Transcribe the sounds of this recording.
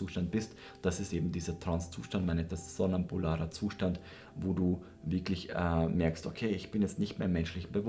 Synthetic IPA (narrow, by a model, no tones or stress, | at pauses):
uːʃtant̚b̥ɪst | d̥asɪstʔeːbm̩diːzɐtʁ̥anst͡sṵːʃtantmaɪnɛtdassonampʰʊlaːʁɐt͡suːʃtant | voːduː | vɪɐklɪçɛːmɛɐksto̰kʰeːɪçb̥ɪnjɛt͡stnɪçtmeːɐɪmɛnʃlɪçm̩bəvʊ